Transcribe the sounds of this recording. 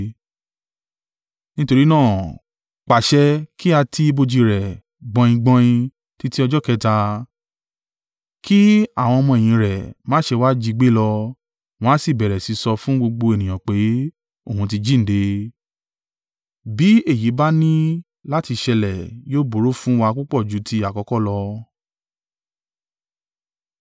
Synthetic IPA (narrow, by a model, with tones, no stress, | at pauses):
nĩ˦to˧ɾi˦nãː˦˨ | k͡pa˨ʃɛ˧˦kʰi˦a˧tʰi˦˧bo˧d͡ʒi˧ɾɛ˨ | ɡ͡bɔ̃˧ĩ˧ɡ͡bɔ̃˧jĩ˧ | ti˦ti˦ɔ˧d͡ʒɔ˦kɛ˦ta˧ | kʰi˦a˦˨w̃ɔ̃˧ɔ˧mɔ̃˧e˨j̃ĩ˨˧˦ɾɛ˨mãː˦ʃe˧wa˦d͡ʒi˧ɡ͡be˦lɔ˧ | w̃ɔ̃˦si˦˨bɛ˨ɾɛ˨si˨˧˦sɔ˧fũ˦ɡ͡bo˧ɡ͡bo˧e˨nĩ˨j̃ã˨k͡pe˨˦ | o˦˨ɦũ˧t̬i˧d͡ʒi˦n̩˨˦de˧ | bi˨˦e˦˨ji˨˦ba˦nĩ˦ | la˦ti˧ʃɛ˧lɛ˨joː˦bo˨˦ɾo˦fũ˦wa˧k͡pu˦k͡pɔ˦˨d͡ʒu˨˦tʰi˧˦a˨kɔ˨˧˦kɔ˦˨lɔ˧